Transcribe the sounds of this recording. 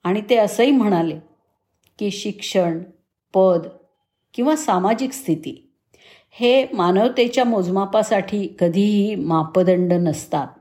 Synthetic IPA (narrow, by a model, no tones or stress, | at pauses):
aɽ̃it̪eəsəim̤əɽ̃ale | kiːɕikʂəɳ | pəd̪ | kĩw̃ʋasamad͡ʑikst̪ʰit̪ḭː | hemanəʋt̪et͡ɕjamod͡zmapasaʈʰiːkəd̪ʱiːɦiːmapəd̪əɳɖənəst̪at̪̚